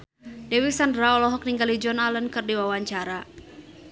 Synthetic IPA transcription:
dɛwiksandɾaɔlɔɦɔk̚niŋɡalid͡ʒɔnalənkɨrdiwawaɲt͡ʃaɾa

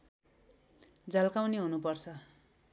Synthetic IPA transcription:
d͡zʌlkawniɦunupʌrt͡sʰʌ

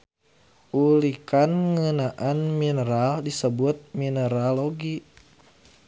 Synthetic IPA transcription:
ʔulikanŋənaʔanminəɾaldisəbʊt̪̚minəɾaloɡi

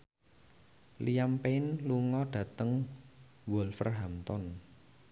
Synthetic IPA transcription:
lijampeɪnluŋɔɖ̥ä̤t̪əŋ | wɔlfə̰rɦamt̪ɔn

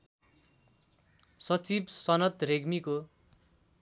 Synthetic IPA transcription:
sʌt͡sibsʌnʌt̪reɡmiko

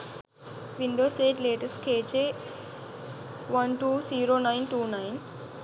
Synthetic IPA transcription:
ʋĩɳɖoːseːʈleːʈɐsʈkeːt͡ʃeː | ʋɐnʈuːsiːɾoːnaɪnʈuːnaɪn

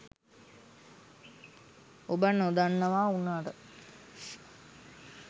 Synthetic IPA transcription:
obənod̪anːəʋaːunːaːʈə

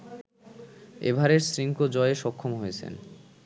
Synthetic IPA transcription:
ḛbʱaɾeɾsɾiŋkod͡ʑɔeeʃɔkʰːomɦojet͡ɕʰḛn

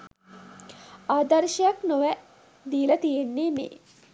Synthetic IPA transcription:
aːd̪ɐɾʃɐjɐknoʋæ | d̪iːlɐt̪ijenːeːmḛː

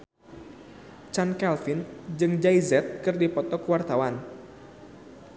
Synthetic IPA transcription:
t͡ʃankɛlfind͡ʒɨŋd͡ʒaizɛt̪̚kɨrdipɔt̪ɔkwart̪awan

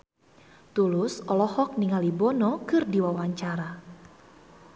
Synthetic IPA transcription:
t̪ulʊsɔlɔhɔk̚niŋalibɔnɔkɨrdiwawaɲt͡ʃaɾa

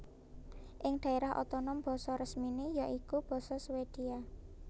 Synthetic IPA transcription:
ʔɪŋd̪̥a̤eɾahʔo̰t̪ɔnɔmb̥ɔ̤sɔɾəsminejaʔikub̥ɔ̤sɔswed̪̥i̤a

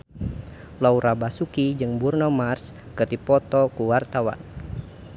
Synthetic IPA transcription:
lauɾabasukid͡ʒɨŋburnɔmars | kɨrdipɔt̪ɔkuwart̪awa̰n

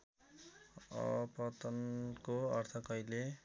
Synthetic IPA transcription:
ʌ̰pʌt̪ʌnkoʌrt̪ʰʌkʌjle

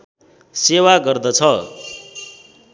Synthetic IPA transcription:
sewaɡʌrd̪ʌt͡sʰʌ

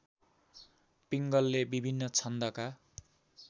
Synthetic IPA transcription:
piŋɡʌlːebibʱinːʌt͡sʰʌnd̪ʌka

